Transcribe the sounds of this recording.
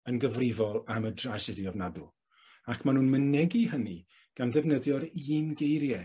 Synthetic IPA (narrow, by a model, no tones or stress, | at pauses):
ənɡəvrɪvɔlˠamədrasɛdiɔvnadʊlˠ | akʰmanuːnmənɛɡihəni | ɡ̥anðɛvnəðjɔɾiːnɡejɾjɛ